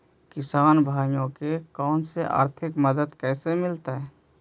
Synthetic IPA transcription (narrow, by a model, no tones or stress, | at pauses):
kɪsaːnbʱaːjõkekɔːnseʔa̰ːɾt̪ʰɪkməd̪əd̪kɛːsemɪlt̪aɦɛː